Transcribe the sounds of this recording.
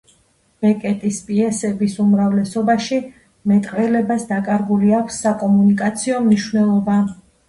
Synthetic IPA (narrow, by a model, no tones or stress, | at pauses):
b̥ɛkʼɛt̪ʼispʼiɛsɛbisumɾavlɛsɔbaʃi | mɛt̪ʼqʼɾɛlɛbasd̪akʼaɾɡuliakʰʷsːakʼɔmunikʼat̪sʰiɔmniʃwnɛlˠɔba